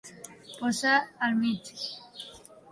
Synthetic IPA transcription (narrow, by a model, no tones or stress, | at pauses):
posaalmit͡ʃ